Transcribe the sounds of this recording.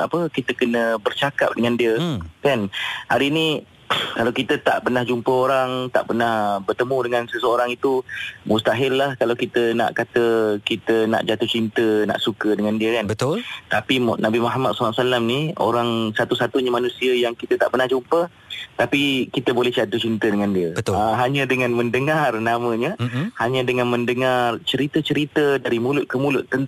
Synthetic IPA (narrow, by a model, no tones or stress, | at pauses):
apəkit̪əkənə̃bərt͡ʃaka̰p̚dəŋandiəkanhaɾiːni | kalawkit̪ət̪a̰ʔpərnahd͡ʒumpəoɾaŋt̪a̰ʔpərnahbərt̪əmũdəŋãnsəsəoɾaŋit̪umust̪aɦɪlːahkalawkit̪əna̰ʔkat̪əkit̪əna̰ʔd͡ʒat̪ut͡ʃint̪əna̰ʔsukədəŋandiəkanbət̪ʊlt̪apimnabimaɦmat̪̚slaʔsalamnio̰ɾaŋsat̪usat̪uɲamanũsiəjaŋkit̪ət̪aʔbərnahd͡ʒumpə | t̪apikit̪əbolɛhd͡ʒat̪ut͡ʃint̪ədəŋandiəbəaɦaɲãdəŋãnmə̃ndəŋarnamə̃ɲəhaɲãdəŋãnmə̃ndəŋart͡ʃəɾit̪ət͡ʃəɾit̪ədaɾimulʊt̪̚kəmulʊt̪ːən